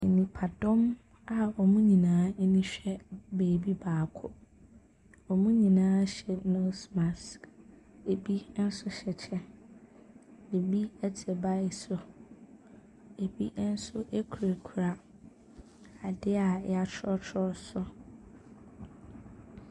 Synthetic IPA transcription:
e˨nĩ˨pʰa˨dɔ̃˦m | a˨ɔ˨mũ˦ɲĩ˨nãː˨˦e˦nĩ˦ɕᶣɛ˦beː˨bi˦baː˨kʰʊ˦ | ɔ˨mũ˦ɲĩ˨nãː˦ɕɛ˨nɔ̃˦smã˨s | e˨bi˦n̩˦sʊ˦ɕɛ˨t͡ɕʰɛ˦ | de˨bi˦ɛ˦d͡ʑʰɛ˨ba˦ɪ˦˨sʊ˨ | e˨bi˦n̩˦sʊ˦ʔe˦kʰu˨ɾa˨kʰu˨ɾa˨ | a˨dɪ˦a˨˦a˦t͡ɕʰɔ˦t͡ɕʰɔ˦sʊ˦

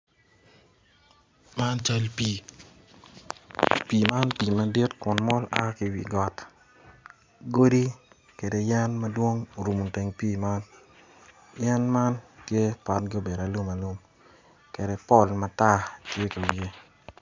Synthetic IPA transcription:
ma˦nt͡ʃa˦lpi˨ | pi˨ma˦npi˨ma˨di˦tkʊ˨nmɔ˦la̰˦kɪ˨wḭ˨ɡɔ˨t | ɡo˦di˦ | ke˨de˨jɛ˦nmɐ˦dwo˦ŋ˨ɾu˨mu˨te˨ŋpi˦ma˦n | jɛ˦nma˦ntje˦pa˦t̚ɡo˦be˨ɾa˨lu˦ma˨lu˦m | ke˨de˨pɔ˦lma˨ta˦tje˦ka˨wje˦

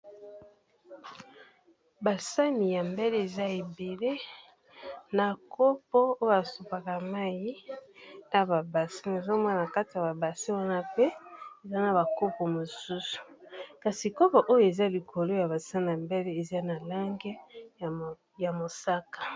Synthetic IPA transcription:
ba˨sa˦mi˨ja˨mbe˦le˦e˨za˦e˨be˨le˦ | na˨kʰo˦po˦o˦ja˨su˨pa˨ka˨ma˦ji˦ | na˨ba˨ba˨si˦ne˨zo˦mɔ˦˨a˨ka˦ti˨ja˨ba˨ba˨si˦wa˦na˦pe˦e˨za˦na˨ba˨ko˦po˨mo˨su˦su̥˨ka˨si˨ko˦ba˨ʔo˦jo˦˨e˨za˦li˨kʰo˨lo˦ja˨ba˨sa˦mi˨ja˨mbe˦le˦e˨za˦na˨la˦ŋɡe˦ | ja˨mo˨sa˦kḁ˨

